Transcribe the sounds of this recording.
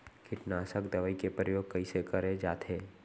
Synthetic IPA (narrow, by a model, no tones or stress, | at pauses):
kʰɪʈnaːsəkd̪ɐʋəikepɾəjoːɡ̚kɐisekəɾed͡ʒaːt̪ɦeː